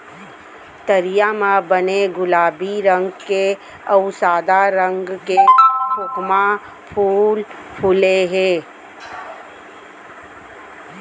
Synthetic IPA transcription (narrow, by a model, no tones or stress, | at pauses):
t̪əɾijamãbəneɡʊlaːbiɾə̃ŋɡke | əʊsaːd̪aɾə̃ŋɡkekʰʊkma | pʰuːl | pʰuleɦeː